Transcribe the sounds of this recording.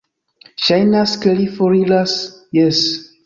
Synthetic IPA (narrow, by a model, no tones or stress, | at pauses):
ʃajnaskelifoɾilasjes